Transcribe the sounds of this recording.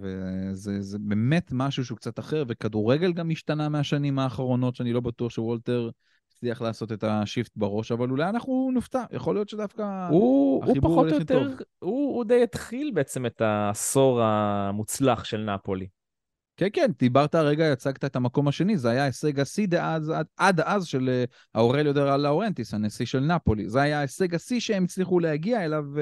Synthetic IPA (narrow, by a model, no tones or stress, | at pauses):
vezezebe̞me̞t̪maʃuʃ̬eukt͡sat̪aχeʁve̞kad̪uʁeɡe̞lɡamiʃt̪anameaʃanimaːχʁo̞no̞tʃeanilo̞bat̪uaχʃewolte̞ʁ | t͡sliaχlaːso̞t̪e̞t̪aʃift̪baʁo̞ʃavalulajanaχnuniftajʔa̰χo̞lijo̞t̪ʃed̪afkahuauibpauʁolejt̪oʁvhuud̪ejet̪χilbeet͡se̞met̪aːso̞ʁamut͡slaχʃelnapo̞li | kenkend̪̥ibaʁt̪aʁe̞ɡajat͡saɡt̪aet̪amako̞maʃe̞nizeajaeseɡasid̪eʔazadʔad̪azʃe̞l | aoʁeljod̪eʁalaoʁe̞nt̪ishanesiʃe̞lnapo̞lḭzeajaeseɡasiʃeemit͡sliχulehaɡiae̞lav